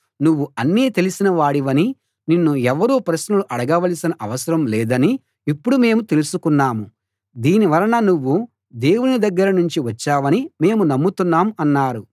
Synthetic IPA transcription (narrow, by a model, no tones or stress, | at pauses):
nuʋːuɐnːiːt̪e̞lisinɐʋaːɽiʋɐni | ninːuɛʋɐɾuːpɾɐʃnɐluʔɐɽɐɡɐʋɐlisinɐʔɐʋɐsɐɾɐmlɛːd̪ɐni | ipːuɽume̞ːmut̪e̞lusukunːaːmu | d̪iːniʋɐɾɐnɐnuʋːu | d̪e̞ːwunid̪ɐɡːɐɾɐnuɲt͡ʃiʋɐt͡ʃːaːʋɐnime̞ːmunɐmːut̪unːaːmuɐnːaːɾu